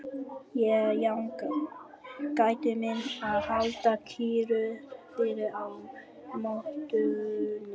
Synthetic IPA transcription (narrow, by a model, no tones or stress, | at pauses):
jɛjaŋka | kajt̪ʏmɪnaðhalt̪akʰiːɾʏfɪɾɪʔaw | moht̪ʏn